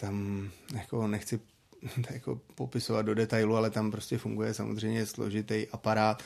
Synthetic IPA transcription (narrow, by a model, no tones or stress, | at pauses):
t̪amjako̞nɛxt͡sɪ | jako̞̰po̞pɪsovad̪̚do̞dɛt̪ajlualɛt̪ampɾo̞scʲɛfuŋɡujɛsamozr̝ɛjmɲɛslo̞̰ʒɪt̪ɛjʔapaɾaːt̪